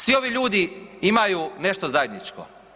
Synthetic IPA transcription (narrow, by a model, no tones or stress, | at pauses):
sʋio̞ʋiʎuːd̪iimajune̞ʃt̪ozaje̞d̪nit͡ʃko̰